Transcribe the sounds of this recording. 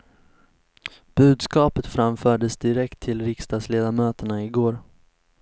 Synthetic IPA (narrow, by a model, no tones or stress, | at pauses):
b̥ʉ̟ːd̪skɑːpət̪fɾamfœːɖəsd̪ɪɾɛkt̪ʰːɪlɾɪkst̪ɑːɡ̪sleːd̪amøːt̪əɳaɪɡoːɾ